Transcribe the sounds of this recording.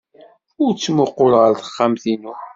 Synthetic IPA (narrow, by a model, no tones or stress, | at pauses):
ʊɾt͡sːmʊqːʊɾʁəɾθə̥χːamθinu